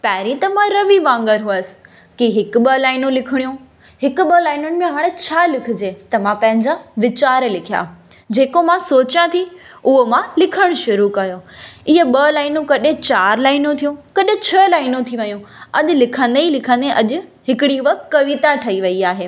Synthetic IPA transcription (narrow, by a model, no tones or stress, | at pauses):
paːɾĩt̪ɐmãɾɐʋibãːŋɡəɾɦʊəs̆ | kiɦɪkʊ̆ɓɐlaːɪnũlɪkʰɪɽ̃ijũ | ɦɪkʊ̆ɓɐlaːɪnʊnɪ̆mẽɦaːɽ̃et͡ɕʰaːlɪkʰɪ̆d͡ʑeːt̪ɐmãpɐ̃ɦɪ̃ɲd͡ʑaʋɪt͡ɕaːɾlɪkʰija̰ː | d͡ʑeːkomãsoːt͡ɕjãt̪ʰiʊɦomãlɪkʰəɽ̃ʃʊɾukɐjoɪɦəɓɐlaːɪnũkɐɗɪ̃t͡ɕaːɾlaːɪnũt̪ʰijũkɐɗẽt͡ɕʰɐlaːɪnũt̪ʰiʋɐjũɐɗ̆lɪkʰə̃nd̪eilɪkʰə̃nd̪eʔɐʄʊ̆ɦɪkɪɽiʋɐk̆kːɐʋit̪aʈʰɐiʋɐiaːɦeː